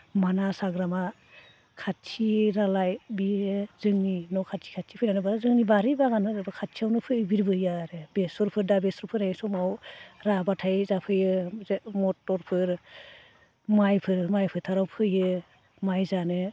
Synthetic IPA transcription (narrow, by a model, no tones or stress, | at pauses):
manasaɡɾama | kʰatʰiɾalajbizɯŋninɔkʰatʰi̥kʰatʰi̥pʰɯjnanɯbaɾazɯŋnibaɾibaɡanɯɯbɯkʰatʰiawnɯpʰɯbiɾbɯjaɾɯbesɔɾpʰɯɾdabesɔɾpʰɯɾnajsɔmawɾabatʰajzapʰɯjɯzmɔtːɔɾpʰɯɾ | majpʰɯɾmajpʰɯtʰaɾawpʰɯjɯ | majzanɯ